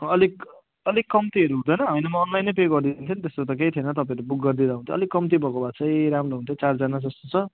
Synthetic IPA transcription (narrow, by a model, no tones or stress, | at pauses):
ʌlik | ʌlikːʌmt̪iʌɾuɦũd̪ʌjnʌɦɦʌjnʌmʌːnlajnepekɡʌrd̪inint̪ʰint̪est̪ot̪ʌk̬ejt̪ʰienʌt̪ʌpaẽʌɾubukɡʌrd̪id̪aɦunt̪jõ̰ʌlikːʌmt̪̬ibʱʌkobat͡sʰʌjɾamroɦunt̪jot͡sard͡zanad͡zʌst̪o̥t͡sʰʌ